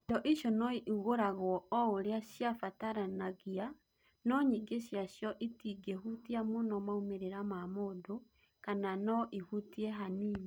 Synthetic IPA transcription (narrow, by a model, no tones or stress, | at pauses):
tɔʔiʃɔnɔiʔuɣoɾaɣɔɔoɾeaɕjafataɾanaɣia | nɔɲiɡeɕjaʃjɔʔitiɡehutiamonɔmaumeɾeɾamamodo | kananɔʔihutiɛɦaniːɲi